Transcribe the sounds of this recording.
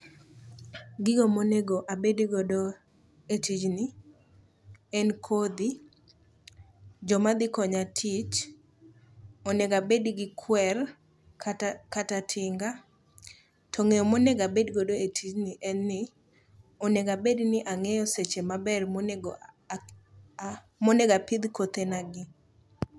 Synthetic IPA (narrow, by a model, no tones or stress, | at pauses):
ɡɪɡomoneɡoʔabediɡodo | etid͡ʒnɪ | ɛnkʰod̪i | d͡ʒɔmad̪ɪkɔɲatʰit͡ʃ | ɔneɡabediɡɪkʰwɛr | kkatatʰɪŋɡa | tʰɔŋejɔmonɛɡabedɡodoetʰid͡ʒnɪʔɛnːɪ | ɔneɡabednɪʔaŋɛjɔset͡ʃemabɛrmonɡ | monɛɡapɪd̪kot̪enaɡɪ